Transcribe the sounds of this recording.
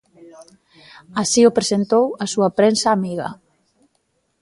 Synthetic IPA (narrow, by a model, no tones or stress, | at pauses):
asiʊpɾesent̪owasuapɾensaːmiɣa̰